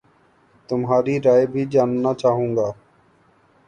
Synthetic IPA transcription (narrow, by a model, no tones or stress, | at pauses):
t̪ʊmɦaːɾiːɾaːjbʱiːd͡ʒaːnnaːt͡ʃaːɦũːŋɡaː